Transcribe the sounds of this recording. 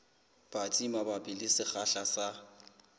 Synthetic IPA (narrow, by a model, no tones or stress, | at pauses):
b̥at͡sʼimabapʼɪlɪsɪχaɬasa